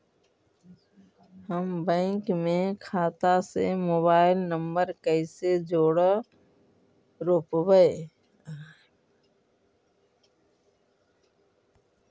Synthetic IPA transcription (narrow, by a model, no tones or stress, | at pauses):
həmbə̃ːŋkmẽkʰaːt̪asḛmoːbaːɪlnəmbəɾkəɪsed͡ʒoːɽ | ɾoːpbəe